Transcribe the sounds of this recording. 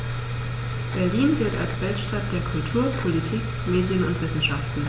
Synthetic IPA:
b̥ɛɐliːnvɪɐta̰lsv̥ɛltʃtat̚d̥eːɐkʰʊltʰuːɐpʰolitʰiːk | meːdjənʊntv̥ɪsn̩ʃaftn̩

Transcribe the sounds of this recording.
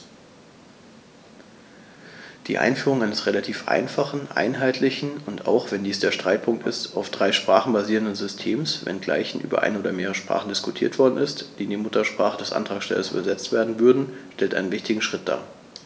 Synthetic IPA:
d̥ḭːʔa̰ɪnfyːʁʊŋʔaɪnəsʁelatʰiːfʔa̰ɪnfaχn̩ʔa̰ɪnɦaɪtʰlɪçn̩ʊnta̰ʊxv̥ɛndiːsd̥eːɐʃtʁ̥aɪt̚pʰʊŋktɪstaʊfd̥ʁaɪʃpʁ̥aːχn̩baziːʁəndənzʏstʰeːmsvɛ̰nɡla̰ɪçn̩ʔyːbɐ̰ʔa̰ɪnəoːdɐmeːʁ̞əʃpʁ̥a̰ːχn̩dɪskʊtʰiːɐtv̥ɔɐdn̩ʔɪstd̥iːniːmʊtɐʃpʁ̥aːχədɛsʔa̰ntʁ̥aːkʃtɛ̰lɐsy̰ːbɐzɛt͡stv̥eːɐdn̩vʏɐdn̩ʃtɛltʔaɪnənvɪçtɪɡŋ̩ʃʁ̥ɪt̚d̥a̰ː

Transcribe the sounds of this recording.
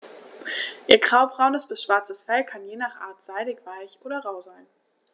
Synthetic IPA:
ʔiːɐɡʁaʊbʁaʊnəsb̥ɪsʃv̥aɐt͡səsfɛlkʰanjeːnaːχʔa̰ːɐtz̥aɪɾɪçv̥aɪçʔoːdɐʁaʊzaɪn

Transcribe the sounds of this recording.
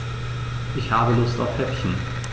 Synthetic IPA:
ʔɪçhaːbəlʊsta̰ʊfhɛpçn̩

